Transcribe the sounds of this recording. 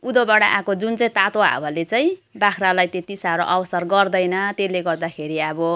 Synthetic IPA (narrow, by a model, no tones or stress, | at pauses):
ud̪obaɽaʔãkod͡zunt͡saĩt̪at̪oɦa̰bʱʌlet͡saĩbakʰralajt̪et̪isaɾoʔʌbʌsʌrɡʌrd̪ʌjnʌt̪eleɡʌrd̪akʰeɾiʌbʌ